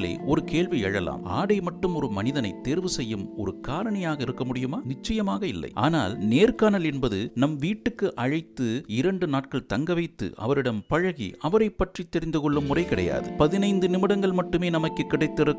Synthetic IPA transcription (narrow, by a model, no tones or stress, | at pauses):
lḛːɔɾɯkeːɭʋiɛɻɐla̰ːma̰ːɽɐɪmɐʈːɯmɔɾɯmɐnɪðɐnɐɪt̪ːeːɾʋɯsɛjːɯmɔɾɯkaːɾɐɳɐjaːɣɐɪɾɯkːɐmʊɽɪjɯmaːnɪt͡ʃːɐjɐmaːɣɐɪlːɐ̰ɪʔa̰ːna̰ːlneːrkaːnɐlɛnbɐðɯnɐmʋiːʈːɯkːɯʔɐɻɐɪt̪ːɯɪɾɐɳɖɯnaːʈ̚kɐɭt̪ɐŋɡɐʋɐɪt̪ːɯ̰ʔɐ̰ʋɐɾɪɽɐmpɐɻɐɣḭɐʋɐɾɐɪpːɐʈrit̪ːɛɾɪnd̪ɯkɔɭːɯmːʊrɐɪkɪɽɐ̰ja̰ːðɯpɐðɪnɐɪnd̪ɯnɪmɪɽɐŋɡɐɭmɐʈːɯmeːnɐmɐkːɯkːɪɽɐɪt̪ːɪɾɯkː